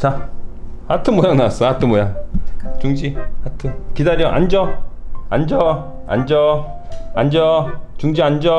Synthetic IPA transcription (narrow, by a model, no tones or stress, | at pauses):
t͡ɕa | hatʰɯmojanas͈ʌatʰɯmojat͡ɕuŋd͡ʑiatʰɯkidaɾjʌʔand͡ʑʌand͡ʑʌ | a̰nd͡ʑʌ | and͡ʑʌt͡ɕuŋd͡ʑiand͡ʑʌ